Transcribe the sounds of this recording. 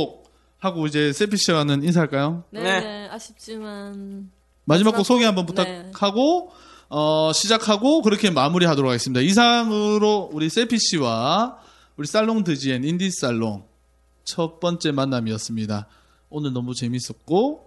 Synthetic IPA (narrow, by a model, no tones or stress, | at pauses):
k̚ | haɡoid͡ʑe̞s͈ʰe̞pʰiɕ͈ʰiwanɯninsʰaɭk͈ajoneait͡ɕ͈iman | mad͡ʑimakk͈osʰoɡeɦambʌnputʰakʰaɡo | ʌɕʰid͡ʑakʰaɡokɯɾʌkʰe̞mamuɾiɦadoɾokʰaɡes͈ɯmɲidais̬ʰaŋɯɾouɾis͈ʰe̞pʰiɕ͈ʰiwa | uɾis͈aɭːoŋdɯd͡ʑienindis͈aɭːo̰ŋ | t͡ɕʰʌp͈ʌnt͡ɕ͈e̞manːamiʌs͈ɯmɲida | onɯɭnʌmut͡ɕe̞mis͈ʌt̚k͈o